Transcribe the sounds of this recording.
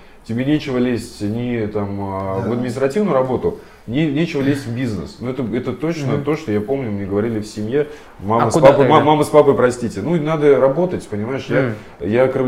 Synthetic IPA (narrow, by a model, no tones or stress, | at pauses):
tʲɪbʲenʲet͡ɕɪvəlʲesʲtʲnʲɪt̪aməvəd̪̚mʲɪnʲɪst̪ɾɐtʲivnʊjʊɾɐbo̞t̪ʊ | nʲenʲet͡ɕɪvəlʲesʲtʲvbʲiznə̰snuɛt̪əɛt̪ət̪o̞t͡ɕnət̪o̞ʂt̪o̞japo̞mnʲʊmnʲeɡəvɐɾʲilʲɪfsʲɪmʲje̞ | mamməspapmamaməspapəjpɾɐsʲtʲitʲɪnunad̪əɾɐbo̞t̪ətʲpənʲɪmaɪʂja | jakɾɨv